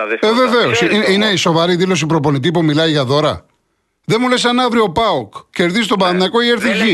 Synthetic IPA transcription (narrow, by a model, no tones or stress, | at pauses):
eve̞ve̞o̞siiine̞iso̞vɐɾiðilo̞s̬ipɾo̞po̞nit̪̬ipumilɐiʝɐðo̞ɾɐ̰ | ðe̞mulesɐnɐvɾio̞pɐokce̞ɾðisst̪o̞bɐɐd̪ɐko̞ieɾθiçi